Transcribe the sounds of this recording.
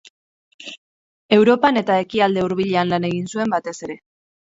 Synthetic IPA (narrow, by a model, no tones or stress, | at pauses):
e̞wɾo̞pane̞t̪aekiald̪e̞uɾβiʎe̞anlane̞ɣinsue̞mbat̪e̞se̞ɾe̞